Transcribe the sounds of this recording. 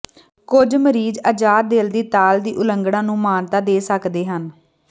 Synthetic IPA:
kʊd͡ʒməɾiːd͡ʒəd͡ʒaːɾd̪eːld̪iːt̪aːld̪iːʔʊləŋɡɽãːnũːmaːnt̪aːd̪eːsəkd̪eːɦən

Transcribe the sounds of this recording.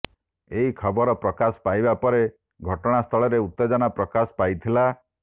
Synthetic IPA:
eɦikʰɔbɔɾɔpɾɔkasɔ̥pajbapɔɾe | ɡʱɔʈɔɽ̃ast̪ʰɔɭɔɾeut̪ːed͡ʒɔnapɾɔkasɔ̥pajt̪ʰila

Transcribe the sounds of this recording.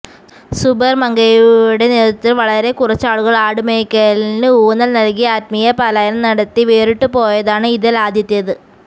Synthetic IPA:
subɐrmɐŋɡɐjuɽe̞neːðɐt̪ːilʋɐɭɐɾe̞kurɐt͡ɕːaːɭuɣɐɭaːɽumeːkːɐlinɨuːnːɐlnɐlkiaːt̪̚mijɐpaːlaːjɐlɐmnɐɽɐt̪ːiʋeːriʈːɨpo̞ːjɐðaːɳɨiðilaːd̪ʱjɐt̪ːijɐðɨ

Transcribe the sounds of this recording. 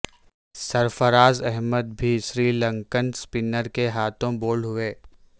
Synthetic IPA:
sɐɾfəɾaːzɛɦməd̪̚bʱiʃɾiːlə̃ŋkənspɪnəɾkeɦaːt̪ʰõboːlɦʊeː

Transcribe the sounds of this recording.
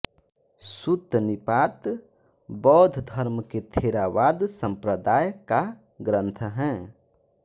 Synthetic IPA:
sut̪nipat̪ | bɔːd̪ʱd̪ʱəɾməket̪ʰeɾaʋad̪sə̃mpɾəd̪ajkaɡɾə̃nt̪ʰəɦɛ̃

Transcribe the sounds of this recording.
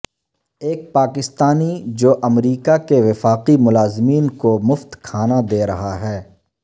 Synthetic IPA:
eːk̚paːkɪst̪aːnid͡ʒoːʔɐmɾiːkakeʋɪfaːqimʊlaːzmiːnkomʊft̪kʰaːnad̪eːɾɐɦaɦɛː

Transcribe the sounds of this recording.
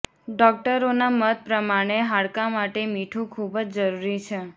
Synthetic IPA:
ɖɔk̚ʈəɾonamət̪̚pɾəmaɽ̃eɦaɽkamaʈemiʈʰũkʰubd͡ʒd͡ʒəɾuɾit͡ʃʰe

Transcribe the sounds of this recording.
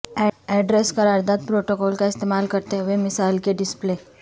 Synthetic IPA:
ɛɖɾeskəɾaɾd̪at̪̚pɾoʈokɔlkaist̪emalkəɾt̪eʋemisajlkeɖisple

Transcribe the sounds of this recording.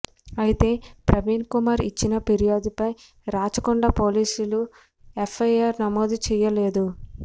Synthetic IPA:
ɐjit̪e̞ːpɾɐʋiːnkumaːɾit͡ʃːinɐpeɾijoːd̪ipɐj | ɾaːt͡ʃɐkuɳɖapoːliːsulu | efʰːɐjaːɾnɐmoːd̪ut͡ʃɛːjɐleːd̪u

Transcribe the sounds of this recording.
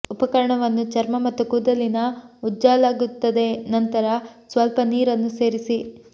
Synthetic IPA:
upɐkɐɾɐɳɐʋɐnːut͡ʃɐɾmɐmɐt̪ːukuːd̪ɐlinɐud͡ʒːaːlaːɡut̪ːɐd̪e̞nɐnt̪ɐɾɐsʋɐlpɐniːɾɐnːuse̞ːɾisi

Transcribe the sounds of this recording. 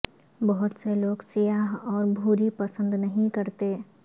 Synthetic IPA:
bɔɦʊt̪seloːɡsijaːɦɔːɾbʱuːɾipɐsə̃nd̪nɐɦĩkɐɾt̪eː

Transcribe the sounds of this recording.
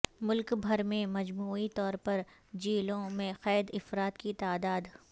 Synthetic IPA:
mʊlkbʱɐɾmẽmɐd͡ʒmuːit̪ɔːɾpɐɾd͡ʒiːlõmẽxɛːd̪ɪfɾaːt̪kit̪aːd̪aːd̪

